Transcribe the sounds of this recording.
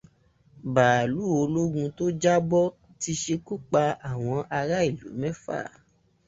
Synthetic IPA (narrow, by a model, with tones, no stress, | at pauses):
baː˨lu˨˦˨o˧lo˦ɡũ˧to˦d͡ʒa˦bɔ˦ | ti˧ʃe˧ku˦k͡pa˧a˨w̃ɔ̃˧ʔa˧ɾa˦i˦˨lṵ˨˦mɛ̃˦fa̰ː˦˨